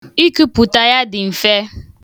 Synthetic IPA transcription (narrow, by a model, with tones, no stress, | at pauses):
i˦kɨ˦pu˨ta˦ja˦dɪ˨m̩˨fe˦